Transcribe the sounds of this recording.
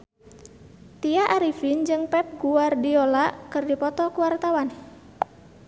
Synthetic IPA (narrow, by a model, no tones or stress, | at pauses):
t̪iaʔaɾifind͡ʒɨŋpɛp̚ɡuardiolakɨrdipɔt̪ɔkuwart̪awan